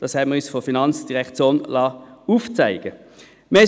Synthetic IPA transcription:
d̥ɑshɛbməʁysfofinɑnt͡sd̥iʁɛkt͡sjoːnlɑːuːft͡sæɪɡ̥ə | me

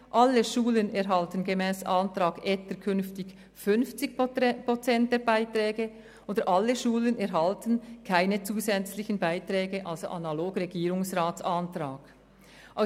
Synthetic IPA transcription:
ʔalːəʃuːlənɛʁɦaltənɡemɛːsaːntɾaːɡɛtəkʰʏnftɪç | fʏnft͡sɪçpʁot͡sɛnt̚d̥eːɐbaɪtɾɛːɡə | ʔoːdəɾʔalːəʃuːlənɛɾɦaltən̩kʰaɪnət͡suːzɛt͡slɪçən̩baɪtʁɛːɡəʔalzo̰ʔanaloːɡreɡiːɾʊŋsʁaːt͡santɾaːɡ̥ | ʔaʊ

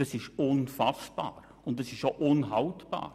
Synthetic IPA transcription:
dɑsɪʃʊnfɑsb̥a̰ːɾ | ʊntɑsɪʃoʔʊnɦɑltb̥a̰ːɾ

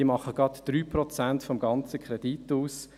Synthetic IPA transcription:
əmɑχəɡ̥ɑt̪d̥ɾyːpʁɔt͡sæntfɔmɡɑnt͡səkʰχɾed̥ituːs

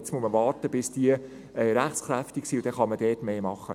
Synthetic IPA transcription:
t͡smusməʋɑːɾtəb̥ɪsd̥iə | ɛːɾæχt͡skɾæftiksiʊd̥ɛχɑməd̥̪ɛːtmeːmɑχːə

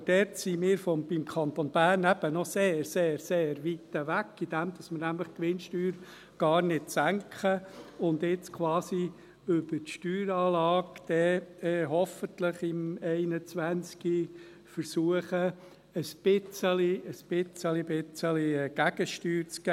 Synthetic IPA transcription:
d̥ɛɾtsimɪːɾfɔb̥imkʰɑnt̪onb̥æːrnæb̥ənɔseːrseːɾseːɾʋit̪əʋækːid̥̪æmd̪ɑsməɾnæmləχkʋɪnʃtyːɾ | ɡ̥ɑːrnɪtsæŋkʰχəʊnd̪ɪt͡skʰʋɑːsi | ʏb̥əɾtʃtyːɾɑːlɑːɡd̪̥ɛɦɔfənt̪ləχɪmɛɪnət͡sʋænt͡ski | fəɾsuəχə | əsb̥ɪt͡səliəspɪt͡səlibɪt͡səliɡ̥æɡ̥əʃtyːɾt͡sɡ̥æ

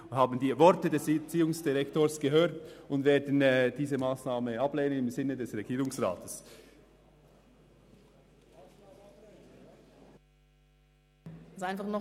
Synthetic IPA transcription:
haːbn̩diːvɔɾtədɛst͡siːʊŋsd̥iʁɛktoːsɡ̥əɦøːtʊndveːɐdn̩ːd̥iːzəmaːsnaːməʔɑbleːnənɪmzɪnːədɛsʁɛɡ̥iːɾʊŋsʁa̰ːtʰəs | azʔaɪnfaχnɔ

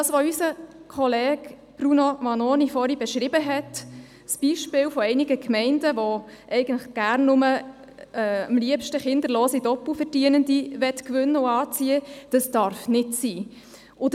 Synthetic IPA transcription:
ɑsʋoysəkʰɔlɛːɡ | b̥ɾunomɑnoːnifɔɾibɛʃɾɪbəɦɛt | sb̥iːʃpɪːwfɔɛɪnɪɡəkʰmɛɪndəʋɔʔɛɪɡəntləχɡ̥æːrnːʊmə | ɛːəmliəpʃtəχɪnd̪əɾloːsidɔpːufəɾdiənəndiʋɛtkʋʏnːəʊɑːt͡siəd̥ɑsd̥ɑɾfnɪtsiː | ʔʊd

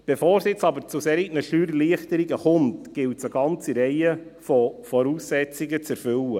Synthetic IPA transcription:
b̥efɔːɾsjɪt͡sɑbəɾt͡susɛːɾinəʃyːɾliəχt̪əɾiɡəχʊmtɡ̥ɪltsəɡɑnt͡siɾɛɪəfɔfɔɾuːsːɛt͡siɡət͡sæɾfʏwə

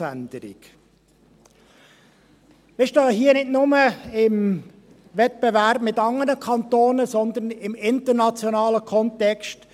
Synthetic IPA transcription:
ænd̪əɾɪ̰k | mɪʃtɑːɦiːənɪtnʊməɪm | vɛt̚b̥ɛvæɾbmɪtɑŋənəkʰɑnt̪oːnəsɔnd̪ənɪmɪnt̪əɾnɑt͡sjɔnɑːləkʰɔnt̪ɛkst

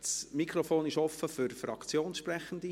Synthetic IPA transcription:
smikʰɾofoːnɪʃɔfəfyɾfrɑkt͡sjoːnʃprɛχən̩d̥̪i

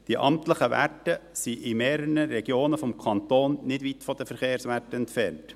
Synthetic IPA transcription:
d̥iʔɑmtləχəʋæ̰təsiʔɪmeːɾəɾəɾɛɡ̥joːnəfɔmkʰɑnt̪oːnnɪdvit̪fɔd̥əfəɾχeːɾsʋætəɛntfɛnt

